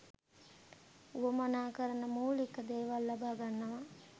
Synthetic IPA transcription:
uəmanaːkəɾənəmuːlikːəd̪eːʋalːabaːɡanːɐʋa

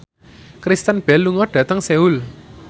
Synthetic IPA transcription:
kɾist̪ənb̥ɛlːuŋɔɖ̥ä̤t̪əŋseul

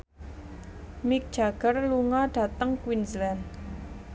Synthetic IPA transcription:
mik̚d͡ʒaɡ̥ərluŋaɖ̥a̤t̪aŋkwinzland

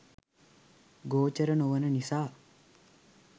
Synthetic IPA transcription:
ɡoːt͡ʃɐɾɐnoʋɐnɐnisaː

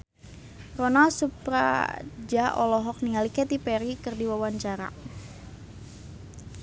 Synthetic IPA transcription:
rɔnalsupɾa̰d͡ʒaʔɔ̰lɔɦɔk̚niŋalikɛt̪ipɛɾikərdiwawaɲt͡ʃaɾa̰

